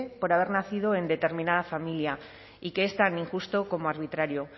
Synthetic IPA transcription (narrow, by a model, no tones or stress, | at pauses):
po̞ɾaβ̞e̞ɾnaθið̞o̞e̞nd̪e̞t̪e̞ɾmĩnað̞afamilja | ikeest̪aniŋxust̪oko̞moaɾβ̞it̪ɾaɾjo̞